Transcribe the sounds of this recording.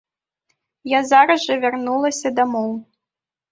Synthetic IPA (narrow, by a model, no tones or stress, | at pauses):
jazaɾɐʐɐvʲarnulˠɐsʲɐd̪amɔw